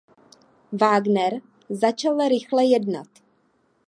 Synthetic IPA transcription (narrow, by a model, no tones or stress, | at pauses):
vaːɡnɛɾ | zat͡ʃalɾɪxlɛjɛdna̰t̪